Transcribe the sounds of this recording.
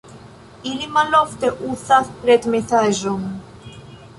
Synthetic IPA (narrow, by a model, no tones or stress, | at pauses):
ilimalɔft̪eʔuθaθpɾet̪meθaʒom